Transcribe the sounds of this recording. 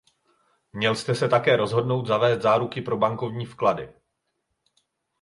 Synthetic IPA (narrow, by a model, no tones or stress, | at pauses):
mɲɛlst̪ɛsɛt̪akɛːɾo̞zɦo̞dno̞wt̪zavɛːst̪zaːɾukɪpɾo̞baŋko̞vɲiːfkladɪ̰